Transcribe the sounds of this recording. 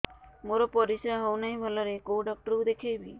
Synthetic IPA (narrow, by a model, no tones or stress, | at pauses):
moɾɔpɔɾisɾaɦɔwnaɦĩbʱalaɾekowɖɔk̚ʈɔɾud̪ekʰejbi